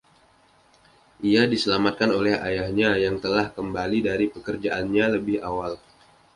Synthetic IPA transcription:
ʔiadisəlamat̪̚kanolɛha̰jahɲajaŋt̪əlahkəmbalidaɾipəkərd͡ʒaʔanɲaləbɪhawal

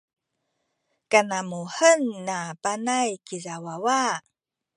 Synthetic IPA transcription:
kanamuħənːapanajkizawawa

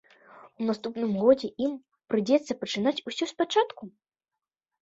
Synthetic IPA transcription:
unast̪upnɨmɣɔd͡zʲɛʔim | pɾɨd͡zʲɛt̪sːɐpɐt͡ʂɨnat͡sʲusʲɔspat͡ʂat̪ku

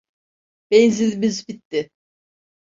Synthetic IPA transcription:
b̥enzilʲbizbit̪ːɪ

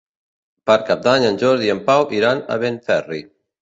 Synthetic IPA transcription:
paɾkap̚d̪aɲənʲʒɔɾðiəmpawʔiɾana̰βenfɛri

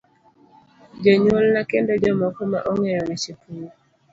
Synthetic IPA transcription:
d͡ʒɔɲwolnakendɔd͡ʒɔmɔkɔma̰ʔɔŋɛɾɔnɛt͡ʃekuli

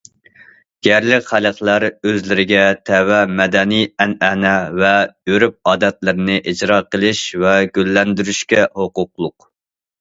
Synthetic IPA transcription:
ɡ̥ʲɛɾlɪkʲχæləχlˠæɾøzlɪɾɪɡʲɛt̪ʰɛwɛmɛd̪ɛnijɛnɛnɛvɛøɾyp̚ɑːd̪ɛt̪lɪɾɪnɪʔid͡ʒɾɑqəlˠɪʃvɛɡʲølːɛnd̪yɾyʃkʲɛhoqʊqlˠʊq

